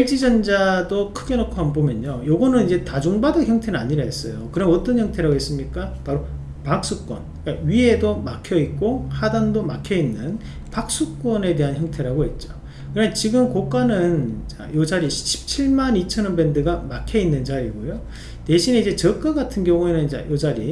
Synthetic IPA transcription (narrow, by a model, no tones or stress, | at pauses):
eɭt͡ɕ͈id͡ʑʌnd͡ʑadokʰɯɡe̞nokʰoɦanbomjʌɲojoɡʌnɯnid͡ʑe̞tad͡ʑoŋbadʌçjʌŋtʰenɯnaɲiɾaɦes͈ʌjokɯɾʌnʌt͈ʌnçjʌŋtʰe̞ɾaɡoɦes͈ɯmɲik͈apaɾo | pak̚s͈uk͈wʌn | k͈aɥie̞domakʰjʌit̚k͈ohadandomakʰjʌinːɯn | pak̚s͈uk͈ʌne̞te̞ɦançjʌŋtʰe̞ɾaɡoɦet̚t͡ɕ͈o̥ | kɯɾʌt͡ɕiɡɯmkok͈anɯnt͡ɕa̰jod͡ʑaɾiɕʰɕʰi̥p̚t͡ɕʰiɭmanit͡ɕʰʌnɯnbe̞ndɯɡamakʰjʌinːɯnd͡ʑaɾiɡojo | te̞ɕʰineid͡ʑe̞t͡ɕʌk͈aɡatʰɯnɡjʌŋue̞nɯnt͡ɕa̰jʔod͡ʑaɾi